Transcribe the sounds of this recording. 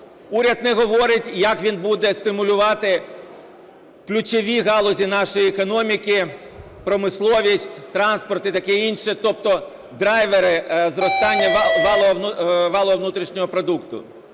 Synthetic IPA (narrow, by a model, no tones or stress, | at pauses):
uɾʲɐd̪nɛɦɔʋɔɾɪtʲjɐkʋʲinbud̪ɛst̪ɪmʊlʲʊʋɑt̪ɪ | klʲʊt͡ʃɔʋʲiɣɑlˠɔzʲinɑʃɔjiekɔnɔmʲikʲɪ | pɾɔmɪslˠɔʋʲisʲtʲt̪ɾɑnspɔrt̪ɪt̪ɐkɛinʃɛt̪ɔp̚t̪ɔ | d̪ɾɑjʋeɾɪzɾɔst̪ɑnʲːɐʋɑlˠɔɦɔnʋɑlˠɔɦɔʋnut̪ɾʲiʃnʲɔɦɔpɾɔd̪ukt̪ʊ̰